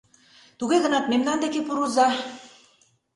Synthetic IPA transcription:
t̪uɣeɣɤ̆nɑt̪memlɑnd̪ekepuɾuzɑ

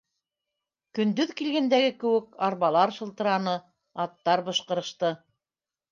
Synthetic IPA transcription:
kɵ̆nd̪ɵðkilɡænd̪æɡɘkɘ̆wɘkɑɾβɑlˠɑɾʃɤ̆lˠt̪ɤ̆ɾɑnɤ | ɑt̪ːɑɾbɤ̆ʃqɤ̆ɾɤ̆ʃt̪ɤ

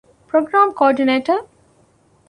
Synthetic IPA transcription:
pɾoːɡɾãːmkɔːɖineːʈə

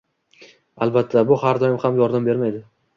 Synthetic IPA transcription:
alˠbat̪ʰːabʊhaɾd̪ɒjɪmhamjɒɾd̪ambe̞ɾmajd̪ɪ

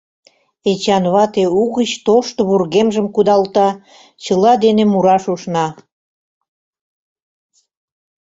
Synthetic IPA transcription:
et͡ɕɑnβɑt̪euɣət͡ɕt̪oʃt̪oβurɣemʒəmkud̪ɑlt̪ɑ | t͡ɕəlɑd̪enemuɾɑʃuʃnɑ

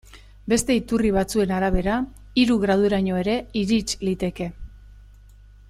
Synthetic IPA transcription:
be̞st̪e̞it̪uriβ̞at͡sue̞naɾaβe̞ɾa | iɾuɣɾað̞ueɾaɲo̞e̞ɾe̞iɾit͡ʃlit̪e̞ke̞

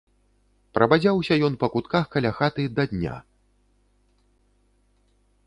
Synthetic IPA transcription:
pɾɐbad͡zʲawsʲɐjɔnpɐkut̪kaxkɐlʲaxat̪ɨd̪ɐd̪ʲnʲa̰

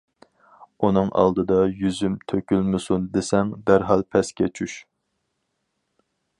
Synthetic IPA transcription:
unɨŋʔɑ̰lˠd̪ɨd̪ɑjyzymt̪ʰøkʲylmɪsund̪esɛŋd̪æɾɦɑlˠpʰɛskʲɛt͡ʃʰyʃ

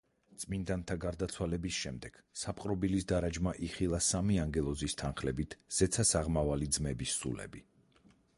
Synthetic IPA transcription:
t̪sʼmind̪ant̪ʰaɡaɾd̪at̪sʰwalɛbisʃɛmd̪ɛɡ̥sapqʼɾɔbilisd̪aɾad͡ʒmaʔiχilˠasamiaŋɡɛlˠɔzist̪ʰanχlɛbit̪ʰz̥ɛt̪sʰasaʁmavalid̪zmɛbisːṵlɛ̰bi

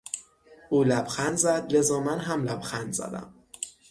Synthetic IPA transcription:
ʔuːlæb̥xænd̪zæd̪lezɒːmænɦæmlæb̥xænzæ̰d̪æ̰m

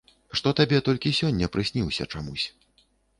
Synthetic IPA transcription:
ʂt̪ɔt̪abʲɛt̪ɔlʲkʲisʲɔnʲːɐpɾɨsʲnʲiwsʲɐ̰t͡ʂamusʲ

